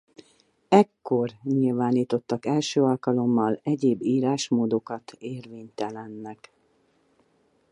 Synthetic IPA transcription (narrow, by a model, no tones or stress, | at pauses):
ɛkːo̞rɲilvaːniːt̪o̞t̪ːɒkɛlʃøːɒlkɒlo̞mːɒlɛɟeːbːiːɾaːʃmoːd̪o̞kɒt̪ʰeːrveːɲt̪ɛlɛnːɛk